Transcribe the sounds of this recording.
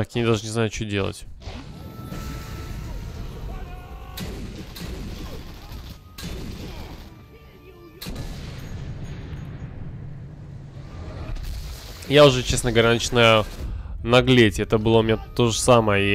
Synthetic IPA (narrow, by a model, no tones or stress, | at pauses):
ɐkʲinʲɪd̪aʐɨnʲɪzajʊt͡ɕodʲe̞lˠə̰tʲ | jaʊʐɛt͡ɕesnəɡəvɐɾʲanɨt͡ɕnajə | nɐɡlʲetʲɛt̪əbɨlˠəʊmʲɪnʲat̪o̞ʐɨsaməjəi